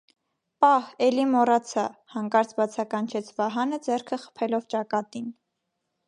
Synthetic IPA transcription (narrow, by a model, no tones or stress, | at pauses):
pɑhɛlimɔɾɑt͡sʰɑhɑŋkɑɾt͡sʰbɑt͡sʰɑkɑnt͡ʃʰɛt͡sʰvɑɦɑnəd͡zɛɾkʰəχə̥pʰɛlɔvt͡ʃɑkɑt̪in